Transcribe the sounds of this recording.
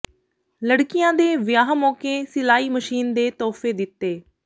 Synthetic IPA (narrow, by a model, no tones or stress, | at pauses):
ləɽkɪjãːd̪eːʋɪjaːɦmɔːkeːsɪlaːiːməʃiːnd̪eːt̪ɔːfeːd̪ɪt̪ːeː